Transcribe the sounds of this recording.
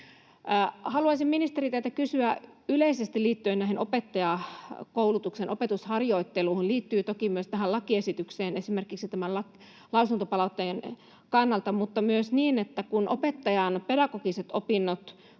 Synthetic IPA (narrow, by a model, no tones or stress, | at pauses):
hɑluɑisimminist̪eɾit̪et̪ækysyæyleisest̪illiːt̪ːyenæiɦenopet̪ːɑjɑkoulut̪uksenʔopet̪ushɑrjoit̪ːeluːhonliːt̪ːyːt̪okimyøst̪æɦælɑkiesit̪ykseːnesimerkiksit̪æmællɑk | lɑusunt̪opɑlɑut̪ːen | kɑnːɑlt̪ɑmut̪ːɑmyøsniːnet̪ːækunʔopet̪ːɑjɑnpedɑkokiset̪opinːot̪